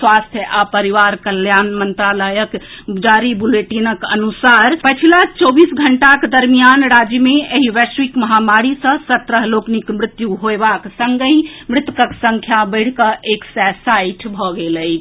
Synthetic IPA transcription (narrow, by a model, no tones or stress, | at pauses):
swast̪ʰjəʔapəɾiʋaɾkəljanmənt̪ɾaləjək | ud͡ʒaɾibuleʈinəkənusaɾpət͡ʃʰilat͡ʃobisɡʱəɳʈakd̪əɾmijanɾad͡ʒjəmeeɦiʋɛswikməɦamaɾisə̃sət̪ɾəɦloknikmɾɪt̪juɦoebaksəŋɡəimɾɪt̪ukəksə̃ŋkʰjabəɽ̤kəʔeksɛsaiʈʰbʱɔɡeləj